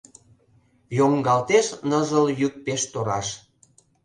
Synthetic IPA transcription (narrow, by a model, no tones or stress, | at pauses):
joŋɡɑlt̪eʃnəzəljyk̚peʃt̪oɾɑʃ